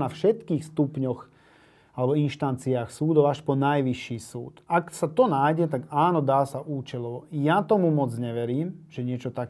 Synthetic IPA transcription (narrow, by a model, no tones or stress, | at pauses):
nafʃɛt̪kiːxst̪upɲɔx | alɛbɔinʃt̪ant͡siaːxsuːd̪ɔʊaʃpɔnajʋiʃːiːsṵːt̪aksat̪ɔnaːjɟɛt̪aɡaːnɔd̪aːsaʔuːt͡ʃɛlɔʋɔjat̪ɔmumɔd͡zɲɛʋɛɾiːmʒ̥ɛɲɪɛt͡ʃɔt̪ak